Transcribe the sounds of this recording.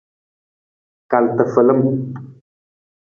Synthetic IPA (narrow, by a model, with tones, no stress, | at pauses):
ka˨lt̪ə˨fə˨lə˦m